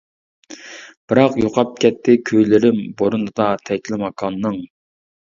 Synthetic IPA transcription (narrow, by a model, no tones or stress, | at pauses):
b̥ɨɾɑqjoqʰɑp̚kʲʰɛt̪ʰːɪkʲʰøjlɪɾɪmboɾunɨd̪ɑt̪ʰɛkʲlɪmɑkʰɑnːɨŋ